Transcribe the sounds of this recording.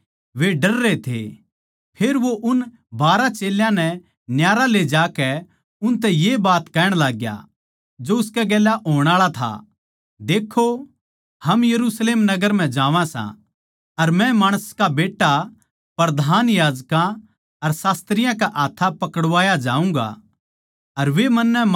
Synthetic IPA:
ʋeɖɐɾːet̪ʰḛ | pʰeːɾʋoʔʊn | baːɾat͡ʃeːljãnɛ | njaːɾaled͡ʒaːkɛ | ʊnt̪̬ɛ̃jebaːt̪kɛːɽ̃laːɡja̰ | d͡ʒoʊskɛɡɛːlaʔɦoːɽ̃aːɭat̪ʰa̰ | d̪eːkʰːo | hɐmjɐɾusleːmnɐɡəɾm̤ɛ̃d͡ʒaːʋãsã̰ | ɐɾmɛ̃maːɽ̃əskabeːʈːa | pɾɐd̪ʱaːnjaːd͡ʒkã | ɐɾsaːst̪ɾɪjãkaʔaːt̪ʰːapɐkəɽʋaːjad͡ʒaːũŋɡa̰ | ɐɾʋemɐnːɛ

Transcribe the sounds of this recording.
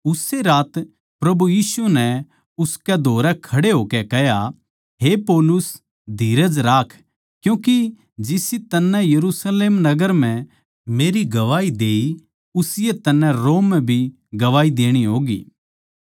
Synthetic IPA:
ʊseɾaːt̪ | pɾɐbujiːsunɛ | ʊskɛd̪ʱoːɾɛkʰɐɽeɦoːkɛkɛɦja | ɦepoːlʊs | d̪ʱiːɾəd͡ʒɾaːkʰ | kjũːki | d͡ʒɪsit̪ɐnːɛ̃jɐɾusleːmnɐɡəɾm̤ɛ̃ | meːɾiɡɐʋaːid̪eːi | ʊsɪjet̪ɐnːɛ̃ɾoːmːɛ̃bʱi | ɡɐʋaːid̪eːɽ̃iɦoːɡḭː

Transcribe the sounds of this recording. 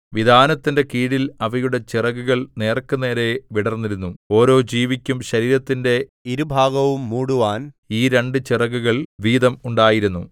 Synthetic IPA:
ʋid̪ʱaːnɐt̪ːinde̞kiːɽilɐʋɐjuɽe̞t͡ɕirɐɡuɣɐɭne̞ːrkːɨne̞ːɾe̞ʋiɽɐrnːiɾunːuo̞ːɾo̞ːd͡ʑiːʋikʲːumɕɐɾiːɾɐt̪ːinde̞iɾubʱaːɡɐʋumːuːɽuʋaːn | iːɾe̞ɳɖɨt͡ɕirɐɡuɣɐɭʋiːd̪ɐmuɳɖaːjiɾunːu

